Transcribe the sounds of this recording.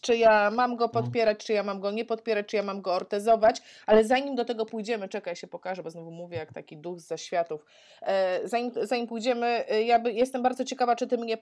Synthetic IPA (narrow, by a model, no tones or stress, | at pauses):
t͡ʂɘjamamɡɔpɔt̪pʲjɛɾat͡ɕt͡ʂɨjamamɡɔɲɛpɔt̪̚pʲɛɾat͡ɕʲt͡ʂɨjamamɡɔːɾt̪ɛzɔvat͡ɕalɛzaɲimd̪ɔt̪ɛɡɔpujd͡ʑɛmɘt͡ʂɛkajɕɛpɔkaʐɛbɔznuvumuvʲjɛjakt̪akʲid̪uɣzaɕfʲjat̪uf | zaɲimzaɲimpujd͡ʑɛmɘjabjɛst̪ɛmbaɾd̪ɔt͡ɕɛkavat͡ʂɨt̪ɨmɲɛ